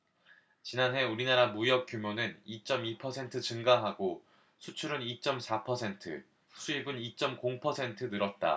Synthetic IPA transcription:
t͡ɕinanɦe̞uɾinaɾamujʌk̚k͈jumjonɯnit͡ɕ͈ʌmipʰʌsʰe̞ntʰɯt͡ɕɯŋɡaɦaɡo | sʰut͡ɕʰuɾɯnit͡ɕ͈ʌmsʰapʰʌsʰe̞ntʰɯ̰ | sʰuibɯnit͡ɕ͈ʌmkoŋpʰʌsʰe̞ntʰɯnɯɾʌt̚t͈a̰

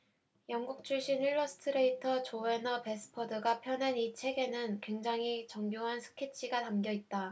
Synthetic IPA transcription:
jʌŋɡuk̚t͡ɕʰuɭɕ͈iniɭːʌsʰɯ̥tʰɯɾe̞itʰʌt͡ɕoe̞nʌpe̞s͈ʰɯ̥pʰʌdɯɡapʰjʌnenit͡ɕʰe̞ɡe̞nɯnkwe̞ŋd͡ʑaŋit͡ɕʌŋɡjoɦansʰɯ̥kʰet͡ɕʰiɡatamɡjʌit̚t͈a

